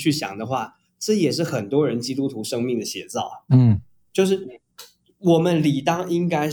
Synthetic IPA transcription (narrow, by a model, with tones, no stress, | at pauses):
t͡ɕʰy˥˩ɕjɑ̰˨˩ŋd̪ə˦xwa˥˩ | ʈ͡ʂɤ˥˩jɛ˨˩ʂ̬ɻ̩˥˩xə˨˩nt̪wɔ˥ɻə˧˥nt͡ɕi˥t̪u˥t̪ʰu˧˥ʂɤ˥ŋmi˥˩ŋd̪ə˩ɕjɛ˧˥t͡sɑ˥˩ʊ˥˩ | t͡ɕjo˥˧ʊʂ̬ɻ̩˥˩˥ | wɔ˨˩mə˦nli˨˩t̪ɑ˥ŋi˥ŋka˥ɪ